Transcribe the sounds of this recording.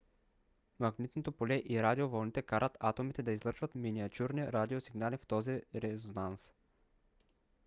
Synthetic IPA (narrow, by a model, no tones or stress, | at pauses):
maɡnit̪not̪opolɛʔiɾad̪iovɔlˠnit̪ɛkaɾət̪at̪omit̪ɛd̪aizlˠɤɾʃvɐt̪miniat͡ʃ̪ʲuɾniɾad̪iosiɡnalift̪ɔziɾɛzonans